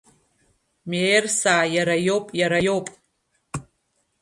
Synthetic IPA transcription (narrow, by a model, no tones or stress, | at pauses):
mersaːjaɾajowpʼjaɾajo̞wpʼ